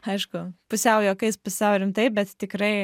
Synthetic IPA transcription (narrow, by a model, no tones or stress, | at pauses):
ɐɪʃkʊpʊsʲɛʊjoːkɐɪspʊsʲɛʊɾʲɪmt̪ɐɪp̚bʲɛt̪t̪ʲɪkɾɐɪ